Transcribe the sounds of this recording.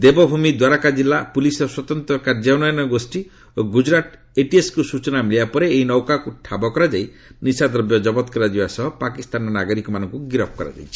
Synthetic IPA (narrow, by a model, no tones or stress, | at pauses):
d̪ebɔbʱumid̪waɾakad͡ʒilːapulisɔswɔt̪ɔnt̪ɾɔkaɾd͡ʒanɔjɔnɔɡosʈi | oɡud͡ʒɾat̪ | eʈieskusut͡ʃɔnamiliapɔɾeːinɔwkakuʈʰabɔkɔɾad͡ʒaj | nisad̪ɾɔbjɔd͡ʒɔbɔt̪kɔɾad͡ʒibasɔɦɔpakist̪anɔnaɡɔɾikɔmanɔŋkuɡiɾɔp̚ʰɔkɔɾa̰d͡ʒa̰jt͡ʃʰi̥